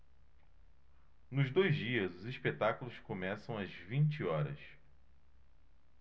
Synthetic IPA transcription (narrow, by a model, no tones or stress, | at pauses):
nʊzd̪ojzd͡ʒiɐzʊziʃpet̪akulʊskomɛsɐ̃w̃ɐzvĩnt͡ʃiɔɾɐ̰s